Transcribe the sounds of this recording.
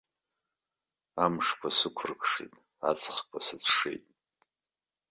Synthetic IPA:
amʂkʷʰasɨkʷʰʊrkʰʼʂḛtʼ | at͡sʰʼχkʷʰasɨt͡sʰʂḛjtʼ

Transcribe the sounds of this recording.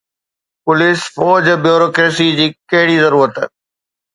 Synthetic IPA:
pʊlɪsfɔːd͡ʑbjoːɾoːkɾeːsid͡ʑiːkɐɦɪɽizɐɾuːɾət̪ː

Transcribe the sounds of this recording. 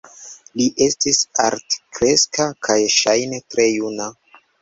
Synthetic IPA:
liʔe̞stisa̰ɾtkɾe̞skakʰajʃajnetɾe̞juna

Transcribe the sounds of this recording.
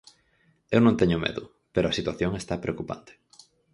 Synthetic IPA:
ewnõŋt̪eɲʊmḛðʊ | peɾoɐsit̪waθjoŋest̪apɾeokupa̰nt̪e̥

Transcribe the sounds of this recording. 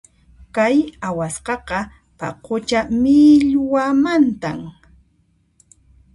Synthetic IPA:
kajawasqɑqɑ | pa̰qot͡ʃamɪʎwamant̪am

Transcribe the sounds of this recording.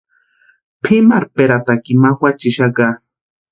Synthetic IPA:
pʰɪmaɾpeɾat̪akɪmaxwat͡ʃɪʃaɢa

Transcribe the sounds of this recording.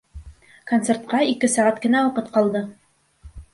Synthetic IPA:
kont̪se̞rt̪̚qɑikɘsæʁæt̪kɘ̆næwɑqɤt̪qɑlˠd̪ɤ

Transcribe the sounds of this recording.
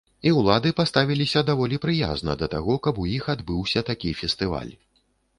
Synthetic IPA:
iwlˠad̪ɨpast̪avʲilʲisʲɐd̪avɔlʲipɾɨja̰znɐ̰d̪ɐt̪aɣɔkɐbujixad̪bɨwsʲɐt̪akʲifʲɛst̪ɨva̰lʲ

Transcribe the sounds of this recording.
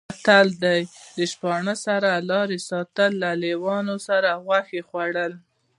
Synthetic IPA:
at̪ald̪ajd̪əʃpɑɳəsaɾalɑɾesɑt̪əlːalewɑnosaɾaɣwaxexwaɽəl

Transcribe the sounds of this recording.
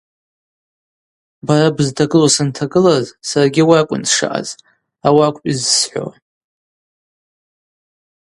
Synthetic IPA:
baɾabɨztʰaɡɨlasɨntʰaɡɨlazsarɡʲiwaakʷʼʊ̰nʂa̰ʔa̰z̥ | awakʷʼpʼizsħʷo̰

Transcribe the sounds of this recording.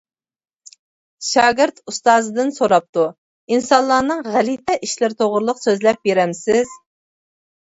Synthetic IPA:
ʃɑːɡʲɪɾt̪ʰust̪ɑːzɨd̪ɨnsoɾɑp̚t̪u | insɑnlˠɑːnɨŋʁælit̪ʰɛʔiʃlɪɾt̪ʰoʁɾlˠəqsøzlɛp̚beɾɛmsɪz̥

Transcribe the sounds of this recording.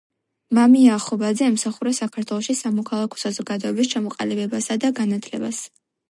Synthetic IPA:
mamiaːχɔbad̪zɛamsaχuɾɛsakʰaɾt̪ʰwɛlˠɔʃisamɔkʰalˠakʰɔ̥sazɔɡad̪ɔɛbist͡ʃʰamɔqʼa̰libɛbasad̪aɡanat̪ʰlɛ̰bas

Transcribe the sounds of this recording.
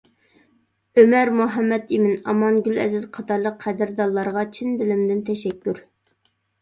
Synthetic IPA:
ømɛɾmuɦɛmːɛt̪imɪnɑmɑnɡʲylɛ̰zɪzqʰɑt̪ʰɑɾlˠəqʰːɛd̪ɪɾd̪ɑlˠːɑɾʁɑt͡ʃʰind̪ɪlɪmd̪ɪnt̪ʰɛʃɛkʲːyɾ

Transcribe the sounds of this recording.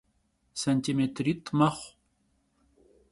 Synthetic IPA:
sant̪ɪmet̪ɾit̪mɑχ

